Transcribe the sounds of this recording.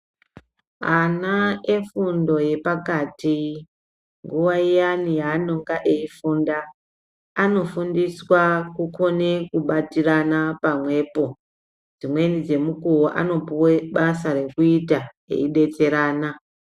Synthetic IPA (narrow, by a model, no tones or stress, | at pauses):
anaefundo̞je̞pakati | ŋɡuʋaijanijaːno̞ŋɡaʔe̞ifuːndaː | no̞fundiswakuko̞ne̞kuɓatiranapamwe̞ːpo̞ | d͡zimwe̞nid͡ze̞mukuwoʔa̰no̞puweɓasare̞kuita | ḛiɗe̞t͡se̞ɾaːna